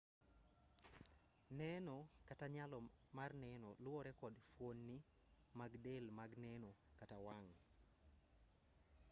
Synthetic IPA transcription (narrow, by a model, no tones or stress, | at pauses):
nɛnɔkataɲalɔmarnɛnɔlwɔɾɛkɔdfwonːi | maɡdelmaɡnɛnokatawaŋ